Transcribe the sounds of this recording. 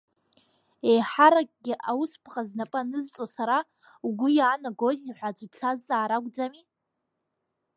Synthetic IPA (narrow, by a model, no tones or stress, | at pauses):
ejħaɾakʼɡʲɪʔawuspʰχʼaznapʼɨnɨzt͡sʼosaɾa | uɡʷʊjaːnaɡoziħʷad͡ʒʷʼt͡sʰazaːɾaɡʷʼd͡zami